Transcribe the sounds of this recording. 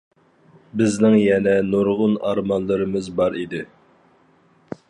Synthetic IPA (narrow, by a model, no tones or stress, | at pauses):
bɪznɪŋjɛnɛnoɾʁʊnɑɾmɑnlˠɨɾɨmɨzbɑɾid̪ɪ